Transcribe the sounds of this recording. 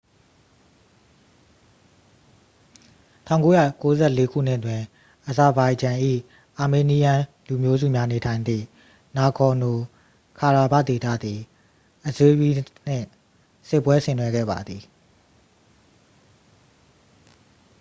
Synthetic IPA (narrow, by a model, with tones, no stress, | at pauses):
tʰã˦˨ʊ̃ŋko˦ja̰˦˨ko˦zɛ˦˨le˨˦kʰṵ˦˨n̥ɪ˦˨twɪ̃˨ | ʔə˨za˨ba˨ɪd͡ʑã˨ʔḭ˦˨ | ʔa˨me˨ni˦jã˨ | lu˨mjo˦zṵ˦˨mja˦ne˨tʰã˨ɪ̃nd̪ðḭ˦˨ | na˨kʰɔ˨no˨ | kʰa˨ɹa˨ba̰˦˨t̪e˨t̪ä̰˦˨d̪i˨ | ʔəzwe˦bi˦n̥ɪ̰̃˦˨ | sɪ˦˨pːwɛ˦sɪ̰̃˨nwɛ˨˦ɡɛ̰˦˨ba̰˨d̪ði˨